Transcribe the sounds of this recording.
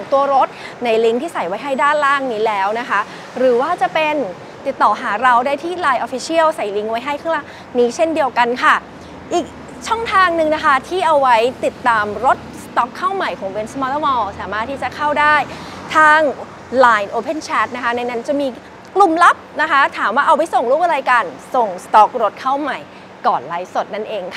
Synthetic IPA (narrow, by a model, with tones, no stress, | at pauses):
ŋt̪u˧ɐɾo˦˥t̪̚na˧jli˦˥ŋt̪ʰiː˥˩sa˨˩jwa˦˥jɦa˥˩jdaː˥˩nlaː˥˩ŋniː˦˥lɛː˦˥wna˦˥kʰa˦˥ | ɾɯː˩˦waː˥˩t͡ɕa˨˩pe˧n | t̪i˨˩t̪ːɔː˨˩ɦaː˩˦ɾa˧wdaː˥˩jt̪ʰiː˥˩laː˧jʔoː˧fi˧sʰi˥˩əwsa˨˩jli˦˥ŋwa˦˥jɦa˥˩jkʰa˥˩la˥˩ | niː˦˥t͡ɕʰe˥˩ndi˧əwka˧nkʰa˥˩ | ʔiː˨˩k̚ | t͡ɕʰɔ˥˩ŋt̪ʰaː˧ŋnɯ˨˧ŋna˦˥kʰa˦˥t̪ʰiː˥˩ʔa˧wːa˦˥jt̪i˨˩t̪ːaː˧mɾo˦˥t̪̚st̪ɔ˦˥kʰːa˥˩wma˨˩jkʰɔː˨˩˦ŋwe˧˥nsmɔː˧t̪ɔ˦˥mɔː˧saː˩˦maː˥˩t̪ʰːiː˥˩t͡ɕa˨˩kʰa˥˩wdaː˥˩j | t̪ʰaː˥˩ŋ | laː˧jnʔoː˧pʰe˥˩nt͡ɕʰɛː˦˥t̪̚na˦˥kʰa˦˥na˧jna˦˥nt͡ɕa˨˩miː˧ | klu˨˩mla˦˥p̚na˦˥kʰa˦˥t̪ʰaː˩˦mwaː˥˩ʔa˧wp̬a˧jso˨˩ŋɾuː˥˩p̚ʔa˧ɾaː˧jka˧nso˨˩ŋst̪ɔ˦˥k̚ɾo˦˥t̪̚kʰa˥˩wma˨˩j | kɔː˨˩n̚laː˨˦jso˨˩t̪̚na˥˩nʔeː˧ŋkʰa˥˩